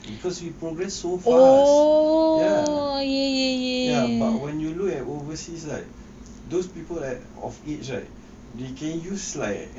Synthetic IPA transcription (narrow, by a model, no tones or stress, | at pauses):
bikʰɔswipɹoɡɹɛsːofao | jajɛjɛjɛjabatwɛ̃njulukɛt̚ovəsislaɪk̚ | dospipəlat | ɔ̰fit͡ʃla̰ɪk̚ | dekʰɛ̃njusla̰ɪk